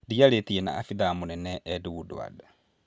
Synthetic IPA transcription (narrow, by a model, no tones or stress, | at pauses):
dialetiena̰ːfiðamunɛnɛʔːdiwuduwa̰da